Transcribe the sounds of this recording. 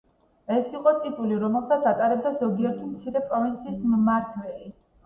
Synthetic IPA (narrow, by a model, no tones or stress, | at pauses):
ɛsiqʼɔt̪ʼit̪ʼuliɾɔmɛlˠsat̪sʰat̪ʼaɾɛbd̪azɔɡiɛɾt̪ʰimt̪sʰiɾɛpʼɾɔvint̪sʰiːsmmaɾt̪ʰwɛli